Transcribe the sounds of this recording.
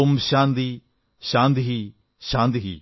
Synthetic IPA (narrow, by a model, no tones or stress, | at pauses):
ʊmʃãːnd̪iː | ʃãːnd̪iɦi | ʃãːnt̪iɦḭː